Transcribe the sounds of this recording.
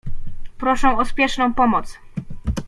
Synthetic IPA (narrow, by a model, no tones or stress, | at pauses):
pɾɔʂɛ̃ɔspʲjɛʂnɔ̃w̃pɔmɔt̪s